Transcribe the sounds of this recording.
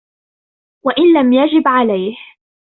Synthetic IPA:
waʔɪnlamjad͡ʒɪbʕalajh

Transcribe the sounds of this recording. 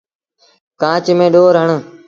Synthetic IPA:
kãːt͡ʃmẽːɗoːɾɦəɳ

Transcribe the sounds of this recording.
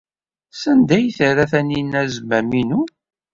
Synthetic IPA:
sənd̪æjθəɾæθæninæzmæminu

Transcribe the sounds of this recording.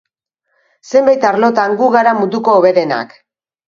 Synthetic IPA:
se̞mbajt̪aɾlo̞t̪aŋɡuɣaɾamud̪uko̞ːβe̞ɾe̞na̰k

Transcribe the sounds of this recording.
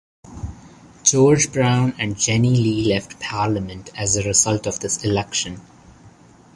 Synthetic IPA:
d͡ʒɔːɾd͡ʒbɾãʊ̃næ̃ɳɖ̚d͡ʒɛniliːlɛfʈpʰaːɾləmə̃nʈæzəɾɪzʌlʈɔvd̪ɪsɪlɛkʃə̃n

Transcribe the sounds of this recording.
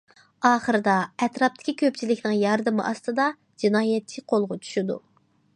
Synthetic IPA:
ɑːχəɾɨd̪ɑɛt̪ɾɑp̚t̪ʰɪ̥kʲikʲʰøp̚t͡ʃʰilɪkʲnɪŋjɑɾd̪ɨmɨ̰ʔɑst̪ɨd̪ɑ | d͡ʒinɑːjɛt͡ʃʰːiqʰolˠʁʊt͡ʃʰy̥ʃid̪u

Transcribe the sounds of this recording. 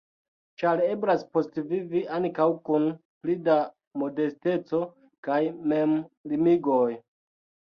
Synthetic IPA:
t͡ʃaɾe̞blaspo̞stviviʔaŋkawkunplida | mo̞de̞ste̞t͡so̞ | kajme̞mlimiɡo̞j

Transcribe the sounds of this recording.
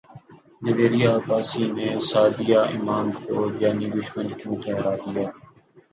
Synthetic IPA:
d̪ɪʋeːɾɪjaːbaːsiːnẽːsaːd̪ijaːʔɪ̰maːmkoːd͡ʒaːniːd̪ʊʃmənkijũːt̪ʰɛːɾaːd̪ɪjaː

